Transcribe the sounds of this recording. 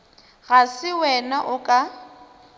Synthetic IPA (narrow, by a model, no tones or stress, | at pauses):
ɣasɪwɛnaʔʊkʼa